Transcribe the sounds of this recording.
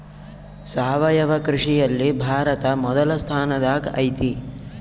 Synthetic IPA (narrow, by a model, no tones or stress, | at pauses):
saːʋɐjɐʋɐkɾiʂijɐlːibʱaːɾɐt̪ɐmɔd̪ɐlɐst̪ʰaːnɐd̪aːkɐ̰jt̪i